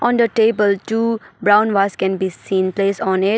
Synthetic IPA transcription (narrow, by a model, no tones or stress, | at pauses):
ʔɔ̃ːnd̪əʈeːbəlʈuːbɾãʊ̃nʋaːskɛ̃nbiːsĩːnpleːsɔ̃ːnɪʈ̚